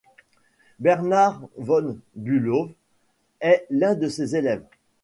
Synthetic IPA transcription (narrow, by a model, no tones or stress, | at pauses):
bɛʁnaʁvɔnbylov | ɛlɛ̃d̪əsezelɛv